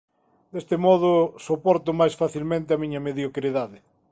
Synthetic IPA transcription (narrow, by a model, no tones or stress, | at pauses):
d̪est̪emɔð̞ʊsopɔɾt̪ʊmajsfaθilmẽnt̪ɪamiɲɐmeðjokɾiðaðɪ